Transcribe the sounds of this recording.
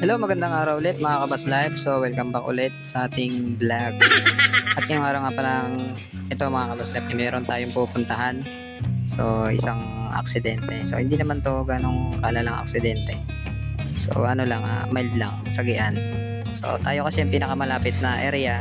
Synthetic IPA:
hɛlowmɐɡɐnd̪aŋʔaːɾɐwʔʊlɛt̪̚mɐŋakɐbaslajb̚sowɛlkɐmbɐkʔʊ̰lɛt̪̚sɐʔaːt̪ɪŋblaɡ̚ʔɐt̪jʊŋʔaːɾɐwŋaːpɐlɐŋ | ʔɛt̪o̞mɐŋakɐbaslajb̚kɐmɛːɾont̪aːjoŋpupʊnt̪ɐɦan | so̞ɪ̰saŋɐ̰k̚sɪd̪ɛnt̪ɛso̞̰hɪnd̪iːnɐmant̪o̞ɡano̞ŋkalalaŋɐ̰k̚sɪd̪ɛnt̪ɛ | so̞̰ʔɐno̞lɐŋʔa̰majld̪laŋ | sɐɡɪʔan | so̞̰t̪aːjo̞kɐsɛɐŋpiːnɐkamɐlaːpɪt̪̚nɐʔɛɾɛja

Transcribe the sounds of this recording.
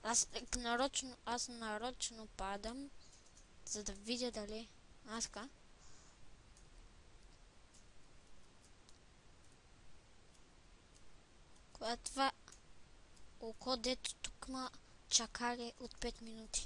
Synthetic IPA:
asknaɾɔt͡ʃnoasnaɾɔt͡ʃnopad̪am | z̥ad̪avid̪ʲad̪alɛaska | kojat̪va | okʰɔd̪ɛt̪t̪u̥kmat͡ʃakʰalɛʔot̪pɛt̪minut̪i̥

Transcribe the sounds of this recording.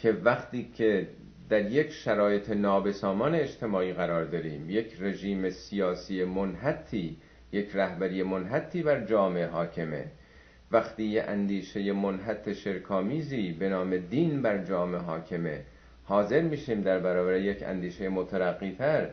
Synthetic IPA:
cʰe̞væχt̪iːcʰe | d̪̥æɾjecʰʃæɾɒːje̞t̪ʰenɒːbe̞sɒːmɒːne̞ːd͡ʒt̪ʰe̞mɒːiːɣæɾɒːɾd̪ɒɾiːmje̞cʰre̞ʒiːmesijɒːsiːemonɦæt̪ʰːiː | je̞cʰræhbæɾiːje̞monɦæt̪ʰːiːbæɾd͡ʒɒːme̞eɦɒːcʰeme̞̰ | væxt̪iːjeʔænd̪iːʃe̞jemonɦæt̪ʰːe̞ʃe̞ɾkʰɒːmiːziːbe̞nɒːme̞d̪iːnbæɾd͡ʒɒːme̞ɦɒːcʰe̞mḛ | hɒːze̞ɾmiːʃiːmd̪æɾbæɾɒːbæɾejecʰæ̰nd̪iːʃe̞jemot̪ʰæɾæɣːiːt̪ʰæɾ

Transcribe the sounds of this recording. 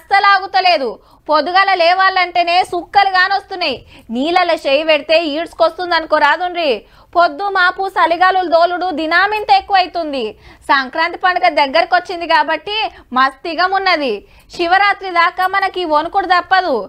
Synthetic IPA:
ɐst̪ɐlaːɡut̪ɐle̞ːd̪u | pod̪uɡalɐlɛːʋaːlːɐɳʈe̞ːne̞ːsukːɐluɡaːnost̪unːajiniːlɐlɐʃejʋeɽit̪e̞ːiːʈskost̪und̪ɐnkoːɾaːd̪unɾiː | pod̪ːumaːpusɐliɡaːluld̪o̞ːluɽud̪inaːmint̪ɐekːuʋɐjt̪und̪isɐŋkɾaːnt̪i̥pɐɳɖɐɡɐd̪ɛɡːɐɾikot͡ʃːind̪ikaːbɐʈːimɐst̪iɡɐmunːɐd̪i | ʃiʋɐɾaːt̪ɾid̪aːkaːmɐnɐkiʋonukuɽud̪ɐpːɐd̪u

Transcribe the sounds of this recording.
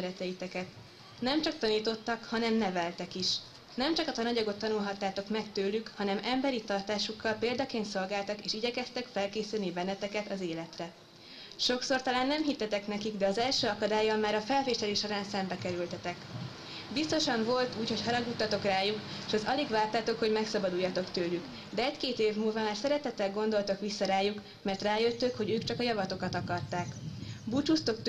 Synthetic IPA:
ɾɛt̪ɛjit̪ɛkɛt̪ | nɛmt͡ʃɒk̚t̪ɒniːt̪o̞t̪ːɒkhɒnɛmnɛvɛlt̪ɛkiʃ | nɛmt͡ʃɒkɒt̪ɒnɒɟɒɡo̞t̪ːɒnulɦɒt̪ːaːt̪o̞kmɛkt̪øːlykhɒnɛmɛmbɛɾit̪ɒrt̪aːʃukːɒlpeːld̪ɒkeːnt̪so̞lɡaːlt̪ɒkeːʃiɟɛkɛst̪ɛkfɛlkeːsylnibɛnːɛt̪ɛkɛt̪ɒzeːlɛt̪rɛ | ʃo̞kso̞rt̪ɒlaːnːɛmɦit̪ːɛt̪ɛknɛkiɡd̪ɛɒzɛlʃøːɒkɒd̪aːjɒmaːɾɒfɛlveːʃɛleːʃoɾaːnsɛmbɛkɛɾylt̪ɛt̪ɛk | bist̪o̞ʃɒɱvo̞lt̪uːcho̞chɒɾɒɡut̪ːɒt̪o̞kraːjukeːʃɛzɒliɡvaːrt̪aːt̪o̞kho̞ɟmɛksɒbɒd̪ujːɒt̪o̞kt̪øːlyk | d̪ɛɛckeːt̪eːvmuːlvɒmaːrsɛɾɛt̪ɛt̪ːɛlɡo̞nd̪o̞lt̪okʋisːɒɾaːjuk | mɛrt̪raːjø̞t̪ːøkho̞ɟøːkt͡ʃɒkɒjɒvɒt̪o̞kɒt̪ɒkɒrt̪aːkbut͡ʃust̪o̞k̚t̪

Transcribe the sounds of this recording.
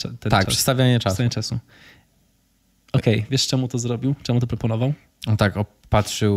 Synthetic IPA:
at̪ɛt̪ak̪ʂɛ̥st̪avʲjaɲɛʈ͡ʂasvjaɲɛt͡ʂasṵ | ɔkɛjvʲjɛʂt͡ʂɛmut̪ɔzɾɔbʲiwt͡ʂɛmut̪ɔpɾɔpɔnɔvaw | ɔt̪akɔ | pat̪ʂɘ

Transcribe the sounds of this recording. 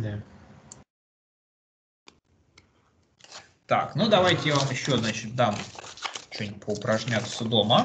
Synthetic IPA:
d̪a | t̪a̰knud̪ɐvajtʲɪjavamjɪɕːo̞znat͡ɕɪt̪̚d̪am | t͡ɕonʲpʰəʊpɾɐʐnʲat̪sʊd̪o̞mə

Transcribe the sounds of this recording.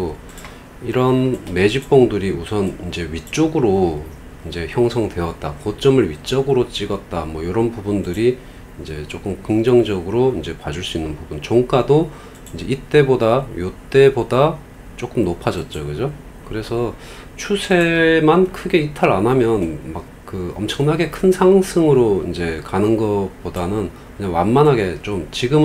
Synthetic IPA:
o | iɾʌnme̞d͡ʑip͈ʌŋdɯɾiusʰʌnind͡ʑe̞ɥit͡ɕ͈oɡɯɾo | ind͡ʑe̞çjʌŋsʰʌŋdwe̞ʌt̚t͈akot͡ɕ͈ʌmɯɭɥit͡ɕ͈ʌɡɯɾot͡ɕ͈iɡʌt̚t͈amwʌjoɾʌnpubundɯɾi | ind͡ʑe̞t͡ɕ͈ok͈ɯmkɯŋd͡ʑʌŋd͡ʑʌɡɯɾoind͡ʑe̞pad͡ʑuɭs͈uinːɯnbubunt͡ɕʌŋk͈ado | ind͡ʑe̞it͈e̞bodajot͈e̞boda | t͡ɕ͈ok͈ɯmnopʰad͡ʑʌt̚t͡ɕ͈okɯd͡ʑo | kɯɾe̞sʰʌ | t͡ɕʰusʰe̞mankʰɯɡe̞itʰaɾanɦamjʌnmak̚kɯʌ̰mt͡ɕʰʌŋnaɡe̞kʰɯnsʰaŋsʰɯŋɯɾoind͡ʑe̞kanɯnɡʌp͈odanɯn | kɯɲaŋwanmanɦaɡe̞t͡ɕ͈omt͡ɕiɡɯm

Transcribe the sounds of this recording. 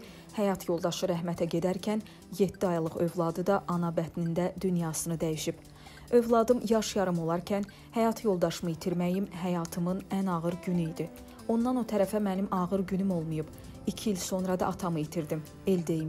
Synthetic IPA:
hæjɑt̪jo̞lˠd̪ɑʃɯɾæɦmæt̪ʰæɟe̞d̪æɾcʰæn | jet̪ːiɑjlˠɯχø̞vlˠɑd̪ɯd̪ɑʔɑnɑbæt̪nind̪æd̪ynjɑːsɯnɯd̪æjiʃib̥ | ø̞vlˠɑd̪ɯmjɑʃjɑɾɯmo̞lˠɑɾcʰæn | hæjɑt̪ʰjo̞lˠd̪ɑʃɯmɯit̪ʰiɾmæjimɦæjɑːt̪ʰɯmɯnænɑʁɯɾɟynyid̪i | o̞nd̪ɑno̞t̪ʰæɾæfæmænimʔɑɣɯɾɟynymo̞lˠmujub̥ | icʰiilso̞nɾɑd̪ɑɑt̪ʰɑmɯit̪ʰiɾd̪im | eld̪e̞jim

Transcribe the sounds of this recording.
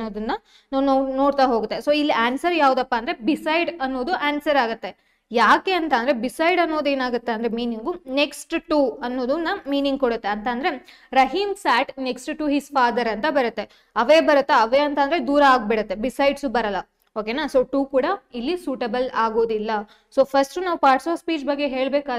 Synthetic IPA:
oːd̪ɐnːɐ | nːnoːɽt̪aɦo̞ːɡut̪ːesoːilːiʔaːnsɐɾjaːʋud̪ɐpːaːnd̪ɐɾe̞bisɐjɖɐnːo̞ːd̪uʔaːnsɐɾaːɡut̪ːe̞ | jaːke̞ɐnt̪aːnd̪ɐɾebisɐjɖɐnːo̞ːd̪e̞ːnaːɡut̪ːeɐnd̪ɾemiːniŋɡune̞ksʈʈuːɐnːo̞ːd̪unːɐmiːniŋɡ̚koɽut̪ːe̞ɐnt̪aːnd̪ɐɾe̞ | ɾɐɦiːmsaːʈneksʈʈuɦizfaːd̪ɐɾɐnt̪ɐbɐɾut̪ːe̞ | ɐʋeːbɐɾut̪ːeɐʋeɐnt̪aːnd̪ɾed̪uːɾɐaːɡ̚bɛɽɐt̪ːe̞bisɐjɖsubɐɾɐlːɐ | oːkenaːsoːʈuːkuːɽɐilːisuːʈebɐlaːɡo̞ːd̪ilːɐ | soːpʰɐɾsʈunaːʋpaːɾʈsoːʋspiːd͡ʒbɐɡːe̞ɦe̞ːɭbeːka

